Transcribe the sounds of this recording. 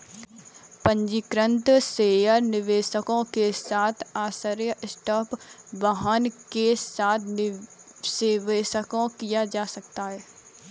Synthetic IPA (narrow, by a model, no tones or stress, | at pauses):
pə̃ɲd͡ʒikɾə̃nt̪seːjəɾnɪʋeːʃəkõkesaːt̪ʰaːsəɾjəʔɪsʈaːpʋaɦənkesaːt̪ʰ | seːʋeːʃəkõkijad͡ʒaːsɐkt̪aɦɛː